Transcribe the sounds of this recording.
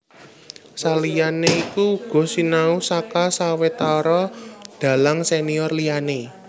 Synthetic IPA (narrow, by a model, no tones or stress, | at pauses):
salijaneikuɡ̥ɔ̤sinausakasawet̪aɾɔd̪̥a̤laŋseniɔrliane